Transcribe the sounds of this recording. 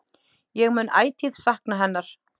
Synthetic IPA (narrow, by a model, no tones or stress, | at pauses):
jɛɣmʏnʔa̰ːjt̪ʰið̥sahknaɦɛnːaɾ̥